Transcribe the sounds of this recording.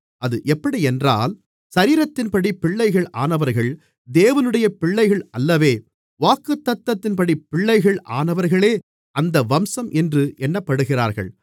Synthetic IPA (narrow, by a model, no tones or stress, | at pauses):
ʔɐðɯʔɛpːɐɽiɛndra̰ːl | sɐɾiːɾɐt̪ːɪnpɐɽipːɪɭːɐɪɣɐɭaːnɐʋɐɾɣɐɭ | d̪eːʋɐnɯɽɐjɐpɪɭːɐɪɣɐɭɐlːɐʋeː | ʋaːkːɯt̪ːɐt̪ːɐt̪ːɪnpɐɽipːɪɭːɐɪɣɐɭʔa̰ːnɐʋɐɾɣɐɭeː | ɐnd̪ɐʋɐmsɐmʔɛndrɯʔɛnːɐpːɐɽɯɣɪraːɾɣɐ̰ɭ